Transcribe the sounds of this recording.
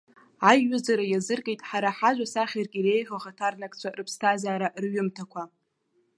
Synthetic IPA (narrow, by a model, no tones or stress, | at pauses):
ajːʊzaɾajazɨrkʼejtʼħaɾaħaʒʷᶣasaχʲarkʲʼire̞jħʷaʁatʰarnakʼt͡ɕʷʰarɨpʰstʰazaːɾarɥʏmtʰakʷʰa